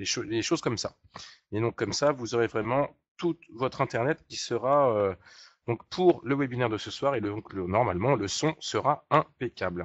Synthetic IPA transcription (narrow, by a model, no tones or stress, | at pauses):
leʃoleʃozkɔmsa̰ | ed̪ɔ̃kːɔmsavuzɔʁevʁɛmɑ̃ | t̪ut̪vɔt̪χɛ̃t̪ɛʁnɛt̪kʲisəʁaød̪̥ɔ̃kpʰuʁləwɛbinɛʁd̪əsəswaʁelə̃klnɔʁmalmɑ̃ləsɔ̃səʁaɛ̃pekʲabl